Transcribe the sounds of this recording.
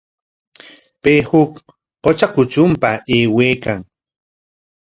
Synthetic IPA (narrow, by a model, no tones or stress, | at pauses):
pehʊk | qot͡ʃakʊt͡ʃʊmpaeːweːkaŋ